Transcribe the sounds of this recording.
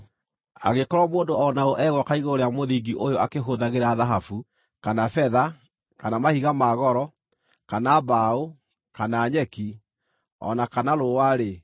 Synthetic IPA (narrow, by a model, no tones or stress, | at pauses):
a̰ɣekɔɾwamoːndoɔnaoʔɛɣwɔkaiɣoɾeamoðiɡiʔojoakeɦoðaɣeɾaðaɦafu | kanafɛða | kanamahiɣamaɣɔɾɔ | kanaːbao | kanaːɲɛki | ɔ̰nakanaɾowaɾe